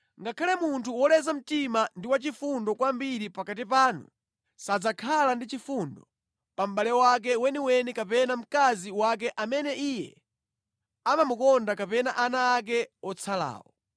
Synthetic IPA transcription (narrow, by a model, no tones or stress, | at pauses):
ŋɡakʰalɛmuntʰuwɔlɛzam̩timandiwat͡ʃifundɔkwambiɾipakat̬ipaːnṵ | sad͡zakʰalandit͡ʃifundɔ | pam̩ɓalɛwak̬ɛwɛniwɛnikapɛnam̩kaziwak̬ɛʔamɛnɛʔijɛ | amamukɔndakapɛnaʔanaːk̬ɛɔt͡sʰala̰ːwɔ̰